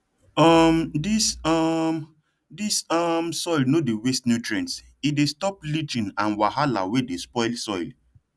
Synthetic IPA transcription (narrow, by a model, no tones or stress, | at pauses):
ɔmdisɔm | disɔmsɔjlnodiwestnutɹɛ̃ns | idestɔplit͡ʃĩnãnwahala̰wedespɔɪlsɔɪl